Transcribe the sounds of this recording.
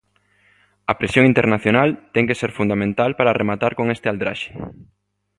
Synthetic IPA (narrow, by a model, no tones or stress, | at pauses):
ɐpɾesjõŋint̪eɾnaθjonalt̪ɛŋkeseɾfund̪amẽnt̪alpaɾaremat̪aɾkoŋest̪ɪald̪ɾa̰ʃe̥